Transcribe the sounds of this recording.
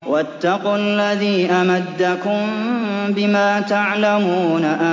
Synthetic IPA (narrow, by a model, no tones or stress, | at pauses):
wat̪ːɑqulːaðiːʔamad̪ːakʊmbɪmaːt̪aʕlamuːnaʔa